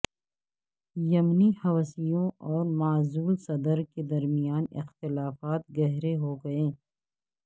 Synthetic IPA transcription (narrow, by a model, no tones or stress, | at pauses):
jɐmnihɐʋsijõɔːɾmaːzuːlsɐd̪əɾked̪ɐɾmijaːnɪ̰xt̪ɪlaːfaːt̪̚ɡɐɦɾeɦoɡɐẽː